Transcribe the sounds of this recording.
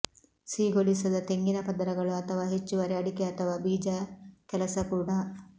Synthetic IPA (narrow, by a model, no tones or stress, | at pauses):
siːɡolisɐd̪ɐt̪eŋɡinɐpɐd̪ɐɾɐɡɐɭuɐt̪ʰɐʋaːɦet͡ʃːuʋɐɾeɐɽikeɐt̪ʰɐʋaːbiːd͡ʒakɛlɐsɐkuːɽa